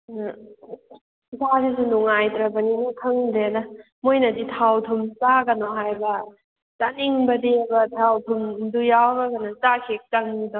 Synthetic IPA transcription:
sʰasis̬unuŋajtɾabaninikʰɯŋdeda | mojnaditʰawtʰumsaɡanɔɦajbɐ | t͡ʃaniŋbɐdebɐtʰawtʰumdujawɡaɡanat͡ʃakʰek̚t͡ʃaŋnidɔ

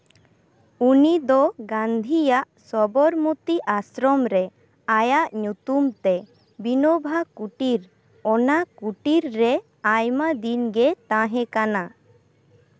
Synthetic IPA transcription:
unid̪ɔɡãnd̪ʱijaʔsɔbɔɾmut̪iʔasɾɔmɾɛ | ajaʔɲut̪umt̪ɛ | binɔbʱakuʈiɾ | ɔnakuʈiɾːɛ | ajmad̪inɡɛt̪ãɦɛ̃kana

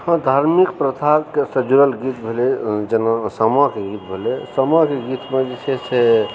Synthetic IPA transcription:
hə̃d̪ʱaɾmikpɾət̪ʰakesəd͡ʒuɾəlɡit̪bʱeled͡ʒenasəmɔkeɡit̪̚bʱelesəmɔkeɡit̪med͡ʒesʰese

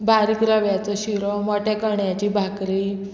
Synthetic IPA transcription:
bʱaɾikɾəʋjat͡sɔɕiɾɔmɔʈʰɛkəɳjat͡ɕibʱakɾi

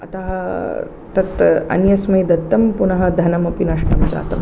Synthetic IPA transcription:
ɐ̰t̪aːɦɐ | t̪ɐt̪ɐ̰njɐsmɐjd̪ɐt̪ːɐmpunɐɦɐd̪ʱɐnɐmɐpinɐʂʈɐmt͡ʃa̰ːt̪ɐm

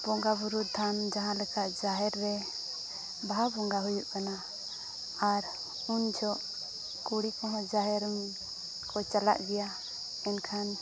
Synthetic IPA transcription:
b̥ɔŋɡabuɾud̪ʱand͡ʒaɦãlɛkaʔd͡ʒaɦɛɾːɛ | baɦabɔŋɡaɦujuʔkanaː | ɾ | und͡ʒʱɔʔ | kuɽikɔɦɔ̃d͡ʒaɦɛɾm | kɔt͡ʃala̰ʔɡɛja | ɛnkʰan

